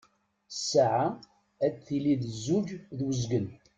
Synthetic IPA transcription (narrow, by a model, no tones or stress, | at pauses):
saʕa | æt͡sθiliðəzːuʝðwəzɡən